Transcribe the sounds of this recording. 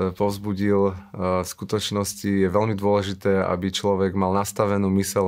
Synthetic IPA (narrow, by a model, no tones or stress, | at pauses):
pɔʊzbuɟilskut̪ɔt͡ʃnɔscijɛʋɛlmid̪ʊɔlɛʒit̪ɛːʔa̰bit͡ʃlɔʋɛɡmalnast̪aʋɛnuːmisɛl